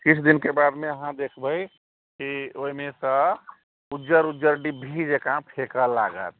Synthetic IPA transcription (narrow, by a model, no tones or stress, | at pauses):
kit͡ʃʰd̪inkebad̪meəɦãd̪ekʰbəj | kioimẽsə | ud͡ʒəɾud͡ʒəɾɖibʱid͡ʒekãpʰekəla̰ɡə̰t̪̚